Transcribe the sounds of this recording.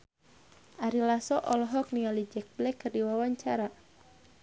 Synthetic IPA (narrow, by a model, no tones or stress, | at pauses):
ʔaɾilasɔʔɔlɔɦɔk̚niŋalid͡ʒɛk̚blɛkːərdiwawaɲt͡ʃaɾa